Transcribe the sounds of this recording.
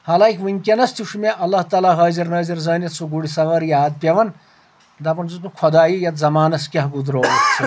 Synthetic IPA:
hɐlaːikʲʰʋɨnʲkʲɐnɐst̪ʰiʂmeʔɐlːaht̪aːlaːɦɐːziɾnɐːziɾzɐːnɐt̪sʰuɡuɽisɐʋɐɾjaːd̪̚pʲeʋɐn | d̪ɐpɐnzut̪ukʰɔd̪aːijɐt̪zɐmaːnɐskʲɐɦɡud̪ɾoːɐt̪t͡sʰi

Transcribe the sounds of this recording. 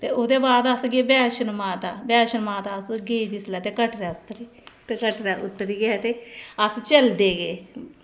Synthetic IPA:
t̪eːʊd̪eːbaːd̪əsɡeːbɛːʃənmaːt̪aːbɛːʃənmãːt̪aːəsɡeːid̪islɛːt̪eːkəʈɾaːʊt̪ːəɾiːt̪eːkəʈɾaːʔʊt̪ːəɾiːɡɛt̪eːəst͡ʃəld̪eːɡeː

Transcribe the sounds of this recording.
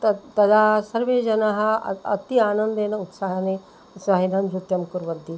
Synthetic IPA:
t̪ɐt̪ɐd̪ʱasɐɾʋeːd͡ʒɐnɐɦɐ̆ɐ̰t̪iaːnɐnd̪eːnɐut̪saɦɐne | saːɦinɐmd͡ʒɾut̪jɐmkuɾʋɐd̪ʱːi

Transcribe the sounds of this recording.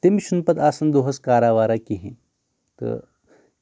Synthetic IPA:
t̪emiɕunpət̪asɐnd̪oɦɐskaɾaʋaɾakiɦẽ | t̪ə̰

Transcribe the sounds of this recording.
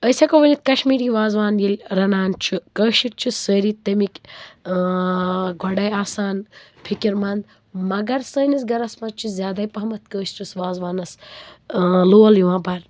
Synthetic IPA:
əjsakoʋɐnit̪̚kɐʃmiːɾiʋaːzʋaːnjilʲɾɐnaːnt͡ʃʰukəːʃiɾ̚t͡ʃʰusəːɾiːt̪ːɐmikʲ | ɡʱɔɖɐjaːsaːnpʰikiɾmɐnd̪ | mɐɡɐɾsəːnisɡɐɾɐsmɐt͡ʃʰuzʲjaːd̪aːjpɐɦɐmɐt̪̚ʰkəːʃt͡ʃʰusʋaːzʋaːnɐs | loːljiʋãːpɐɾ

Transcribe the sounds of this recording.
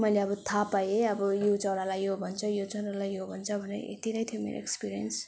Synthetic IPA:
mʌjleʌbʌt̪ʰapajeʌbʌjot͡sʌɾalajobʱʌnt͡sʰʌjot͡sʌɾalajobʱʌnt͡sʰʌbʱʌneɾ̰ʔḛt̪inʌjt̪ʰijomḛɾo̰ḛkspiɾijʌ̰ns

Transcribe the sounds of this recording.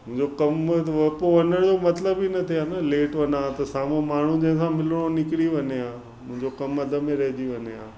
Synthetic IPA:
mʊ̃ɦɪ̃ɲd͡ʑokɐmʋɐpoʋɐnəɽ̃d͡ʑomɐt̪ləbːinɐt̪ʰiaːnɐleːʈʋɐnaːt̪ɐsaːmõmaːɳ̤ũd͡ʑɐ̃ɦɪ̃s̬ãmɪləɽ̃onɪkɪɽiʋɐnijaː | mʊ̃ɦɪ̃ɲd͡ʑokɐmɐd̪ʱə̆mẽɾɐɦɪd͡ʑiʋɐɲjaː

